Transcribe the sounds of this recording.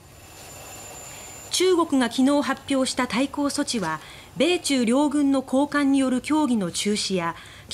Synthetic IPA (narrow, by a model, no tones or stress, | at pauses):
t͡ɕɨːɡo̞kɯ̟ɡakʲino̞ːɦapʲːjo̞ːɕi̥t̪at̪aiko̞ːso̞t͡ɕiβa | be̞ːt͡ɕɨːɾʲo̞ːɡɯ̟̃nːo̞kʰo̞ːkãɲ̟ːijo̞ɾɯ̟kʲo̞ːɡʲino̞t͡ɕɨːɕija | kʲ